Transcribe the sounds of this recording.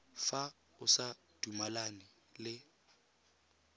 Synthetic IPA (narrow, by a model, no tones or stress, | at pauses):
fa | ʊsa | d̥umalanɪ | lɪ